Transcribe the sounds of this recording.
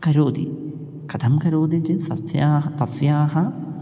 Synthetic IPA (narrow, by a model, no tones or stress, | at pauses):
kɐɾoːd̪ḭ | kɐt̪ʰɐmkɐɾoːd̪id͡ʒit̪ɐt̪jaːɦɐt̪ɐfjaːɦɐ